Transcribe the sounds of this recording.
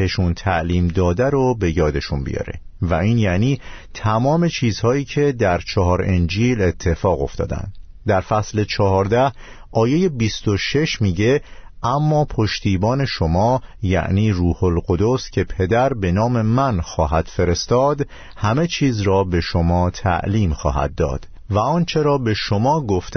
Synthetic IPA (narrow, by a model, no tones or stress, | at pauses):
e̞ʃunt̪ʰæʔliːmd̪ɒːd̪æɾobe̞jɒːd̪e̞ʃunbḭjɒ̰ːɾe̞̰væiːnjæniːt̪ʰæmɒːme̞t͡ʃʰiːzhɒːiːcʰe̞d̪æɾt͡ʃʰɒɦɒːɾend͡ʒiːle̞t̪ʰːe̞fɒːɣo̞̰ft̪ɒ̰ːd̪æ̰nd̪d̪æɾfæsle̞t͡ʃʰɒɦɒːɾd̪æh | ʔɒːje̞je̞bist̪o̞ʃe̞ʃmiːɟe̞ʔæmːɒːpʰo̞ʃt̪iːbɒːne̞ʃo̞mɒːjæ̰ʔniːruːho̞lɢod̪o̞scʰe̞pʰe̞d̪æɾbe̞nɒːme̞mænxɒːɦæd̪̥fe̞ɾe̞st̪ɒːd̪ | hæme̞t͡ʃʰiːzɾɒːbe̞ʃomɒːt̪ʰæ̰ʔliːmxɒ̰ːɦæ̰d̪̚ːɒ̰ːd̪̥ | væɒːnt͡ʃʰe̞ɾɒːbe̞ʃo̞mɒːɡoft̪